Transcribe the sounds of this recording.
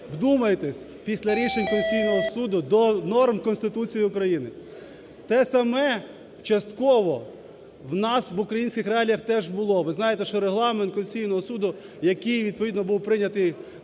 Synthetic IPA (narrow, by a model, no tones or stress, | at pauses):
wd̪umɐjet̪esʲ | pʲisʲlʲɐɾʲiʃenʲkɔlʲʊsʲijnɔɦɔsud̪ʊd̪ɔnɔrmkɔnst̪ɪt̪ut͡sʲijiʊkɾɐjinɪ | t̪ɛsɐmɛ | wt͡ʃɐst̪kɔʋɔ | wnɑsʋʊkɾɐjinʲsʲkʲɪxɾeɑlʲijɐxt̪ɛʒbʊlˠɔʋɪznɑjet̪ɛʃt͡ʃɔɾeɦlˠɑment̪kɔlʲʊsʲijnɔɦɔsud̪ʊ | jɐkɪjʋʲid̪̚pɔid̪nɔbuwpɾɪnʲɐt̪ɪj